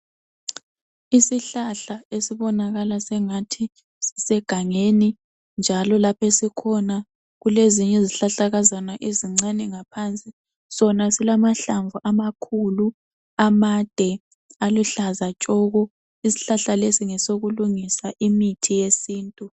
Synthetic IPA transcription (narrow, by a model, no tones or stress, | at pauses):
isiɬaɬaesiβɔnaɣalasɛŋatʰi | si̥sɛɡ̥ʱaŋeni | nd͡ʒʱalɔlapʰesikʰɔna | ɣuleziɲɛziɬaɬaɣazanaʔeziŋ͡ǀanɛŋapʰant͡sʼi | sɔnasilamaɬaɱvuʔamakʰulu | amad̥ʱɛ | aluɬazat͡ʃʼɔɣɔ | isi̥ɬaɬalesiŋɛsoɣuluŋisaʔimitʰijesiːntʼu